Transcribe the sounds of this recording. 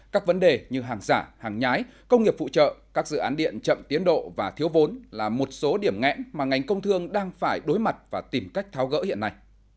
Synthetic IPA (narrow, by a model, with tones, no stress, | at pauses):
kaː˦˥k̚və˨˦nɗe˨˩ɲɨ˧ɦaː˨˩ŋzaː˧˩haː˨˩ŋɲaː˨˦j | kə˧wŋ͡mŋi˨˩əp̚fṵ˧˨t͡ɕə̰ː˧˨kaː˦˥k̚zɨ̰˧˨ʔaː˨˦nɗḭ˧˨ənt͡ɕə̰˧˨mt̪i˨˦ənɗo̰˧˨vaː˨˩t̪ʰi˨˦əwvo˨˦nlaː˨˩mo˨˩t̚so˨˦ɗi˧˩əmŋɛ̰˧˥nmaː˨˩ŋa˨˩jŋ̟kə˧wŋ͡mt̪ʰɨ˧əŋɗaː˧ŋfaː˧˩jɗo˨˦jma˨˩t̚vaː˨˩t̪i˨˩mka˦˥jk̟̚t̪ʰaː˨˦wɣə̰ː˧˥hḭ˧˨ənːa˨˧˩j